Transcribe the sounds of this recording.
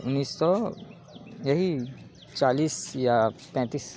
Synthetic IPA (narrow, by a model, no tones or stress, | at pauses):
ʊnːiːsːɔ | jɐɦi | t͡ʃaːliːsjapɛ̃ːt̪iːs